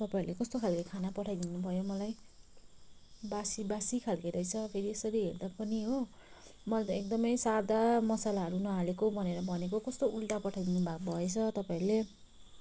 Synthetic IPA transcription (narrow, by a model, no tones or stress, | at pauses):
t̪ʌpaiɾlekʌst̪okʰalkakʰanapʌʈʰajd̪inubʱʌjomʌlaj | basibasikʰalkeɾʌjt͡sʰʌpʰeɾiesʌɾiɦḛrd̪apʌniɦo | mʌlat̪ʌek̚d̪ʌmʌjsad̪amʌsalaɦʌɾunʌɦalekobʱʌneɾʌbʱʌnek̬okʌst̪oulʈapʌʈʰajd̪inubʱak̚bʱʌet͡sʰʌt̪ʌpaĩɾule